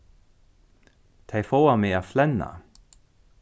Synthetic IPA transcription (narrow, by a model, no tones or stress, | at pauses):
t̪ʰejfowamɪaːflɛnːa̰